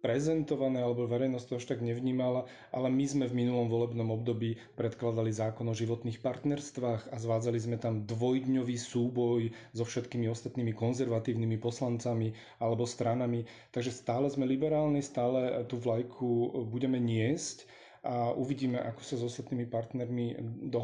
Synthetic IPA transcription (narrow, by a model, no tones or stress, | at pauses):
pɾɛzɛnt̪ɔʋanɛːalɛbɔʋɛɾɛjnɔst̪ɔaʃt̪aɡɲɛʋɲiːmala | ʔa̰lɛmizmɛvminulɔmʋɔlɛbnɔmɔbd̪ɔbiː | pɾɛt̪klad̪alizaːkɔnɔʒiʋɔt̪niːxpaɾt̪nɛɾst̪ʋaːxazʋaːd͡zalizmɛt̪amd̪ʋɔjd̪ɲɔʋiːsuːbɔjzɔfʃɛt̪kiːmiɔst̪at̪niːmikɔnzɛɾʋat̪iːʊnimipɔslant͡sami | alɛbɔst̪ɾanami | t̪aɡʒɛst̪aːlɛzmɛlibɛɾaːlnist̪aːlɛt̪uvlajkʰubuɟɛmɛɲɪɛsc | ʔaʔuʋiɟiːmɛʔakɔ̥sazɔst̪at̪niːmipaɾt̪nɛɾmid̪ɔ